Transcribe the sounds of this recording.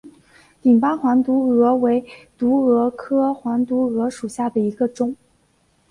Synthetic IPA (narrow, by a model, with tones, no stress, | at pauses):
t̪i˨˩ŋpa˥nxwa˧˥nt̪u˧˥ɤ˧˥we˧˥ɪt̪u˧˥ɤ˧˥kʰɤ˥xwa˧˥nt̪u˧˥ɤ˧˥ʂu˨˩ɕja˥˩d̪ə˩i˧˥ɡə˧ʈ͡ʂʊ˥˩ŋ